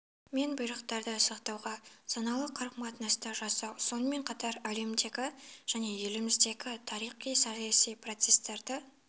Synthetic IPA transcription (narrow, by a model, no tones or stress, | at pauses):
me̞nbʊjɾəqt̪ɑɾd̪əsɑqt̪ɑwʁɑsɑnɑlˠəqʰɑɾqmɑt̪nɑst̪ɑʒɑsɑwso̞nəme̞ɴqʰɑt̪ɑɾæle̞md̪e̞ɡʲɪʒ̥æne̞je̞lɪmɪzd̪e̞ɡʲɪt̪ʰɑɾijχijsɑjsijpro̞t̪se̞st̪ɑɾd̪ə